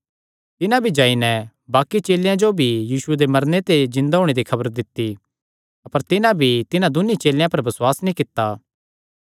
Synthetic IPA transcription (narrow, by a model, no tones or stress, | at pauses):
t̪ɪnãbʱid͡ʒaːinɛ | baːkit͡ʃeːljãd͡ʒobʱijiːʃʊed̪emɐɾnet̪ezɪ̃nd̪aɦoːɽ̃ed̪ikʰɐbəɾd̪ɪt̪ːi | ɐpəɾt̪ɪnãbʱit̪ɪnãd̪ʊnit͡ʃeːljãpɐɾbɐswaːsnĩkɪt̪ːaː